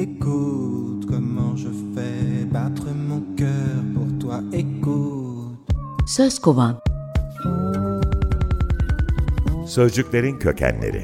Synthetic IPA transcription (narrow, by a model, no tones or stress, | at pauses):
eku | t̪kɔmɑ̃ʒəfɛbat̪χəmɔ̃kʲœʁpuʁt̪waeku | t̪søskovan | søzd͡ʒycʲlʲe̞ɾincʰøcʰæ̰nlːʲḛɾḭ